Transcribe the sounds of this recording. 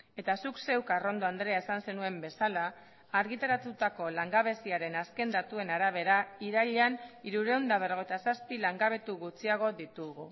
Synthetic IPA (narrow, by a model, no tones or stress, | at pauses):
e̞t̪asukse̞wkaro̞nd̪o̞and̪ɾe̞aesanse̞nue̞mbe̞salaː | ɾɣit̪aɾat̪ut̪ako̞laŋɡaβ̞e̞siaɾe̞naske̞nd̪at̪ue̞naɾaβ̞e̞ɾaiɾaʎeaniɾuɾe̞ond̪aβ̞eɾoet̪asaspilaŋɡaβ̞e̞t̪uɣut͡siaɣ̞o̞ðit̪uɣu